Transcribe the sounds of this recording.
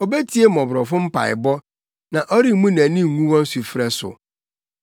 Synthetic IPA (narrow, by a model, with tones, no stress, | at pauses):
o˨be˦tʰi˦e˦mɔ̃˨bɾɔ˨fʊ̃˦m̩˦pʰa̰˨ɪ̰˨bɔ˦ | nã˨ʔɔ˦ɾi˦mũ˦næ̃˨nĩ˦˨ŋũ˦wɔ̃˦n̩˦su˨fɾɛ˦sʊ̰˨